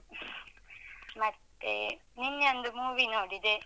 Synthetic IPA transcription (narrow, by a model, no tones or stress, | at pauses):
mɐt̪ːḛninːond̪umuːʋinoːɽid̪e